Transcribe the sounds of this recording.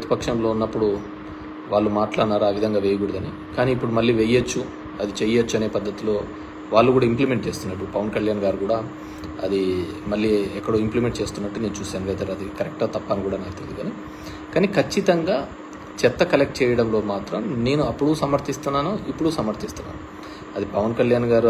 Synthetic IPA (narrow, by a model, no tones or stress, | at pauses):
pɐt̪i̥pɐkʂɐmlo̞ːunːɐpːuɽu | ʋaːɭːumaːʈlaːɽɳaːɾuaːʋid̪ʱɐŋɡaːʋeːjɐɡuɽid̪ɐni | kaːniːpːuɽumɐlːiːʋejːɐt͡ʃːu | ɐd̪it͡ʃɛjɐt͡ʃːuɐne̞ːpɐd̪ːɐt̪ilo̞ː | ʋaːɭːukuːɽaːimplimeɳʈt͡ʃe̞ːst̪unːɐiʈːuupɐʋɐnkɐljaːnɡaːɾukuːɽaː | ɐd̪imɐlːiɛkːɐɽoːimplimeɳʈ̚t͡ʃe̞ːst̪unːɐʈːune̞ːnut͡ʃuːsaːnʋɛːt̪ɐɾɐd̪ikɐɾɛk̚ʈɡaːt̪ɐpːaːnikuːɽaːnaːkt̪ɐd̪iɡ̪ɐni | kaːnikʰɐt͡ʃːit̪ɐŋɡaː | t͡ʃɛt̪ːɐkɐlek̚ʈ̚t͡ʃɛːjɐɽɐmlo̞ːmaːt̪ɾɐmne̞ːnuɐpːuɽusɐmɐɾt̪ist̪unːaːnuipːuɽusɐmɐɾt̪ist̪unːa̰ːnu | ɐd̪ipɐʋɐnkɐljaːnɡaːɾu